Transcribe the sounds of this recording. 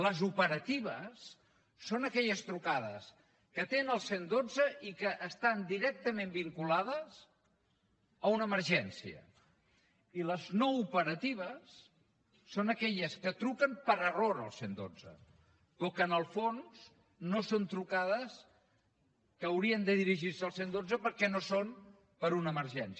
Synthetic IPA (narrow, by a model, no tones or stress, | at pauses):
ləzupəɾət̪iβ̞əsː | onəkɛʎəst̪ɾukaðə̰s | kət̪enəlˠsend̪od͡zəʔikəʔːst̪and̪iɾɛk̚t̪əmẽmbiŋkulað̞əzs | əunəməɾʒɛnsiə̰ | iləznoupəɾət̪iβ̞əsː | onəkɛʎəskət̪ɾukəmpəɾəroɾə̰lˠsend̪o̰d͡zə̰ | pɔkəːnəlˠfons | nosont̪ɾukaðəs | kəːwɾiənd̪əðiɾiʒiɾsəlˠsend̪od͡zəpəɾkɛnoson | pəɾunəːməɾʒɛns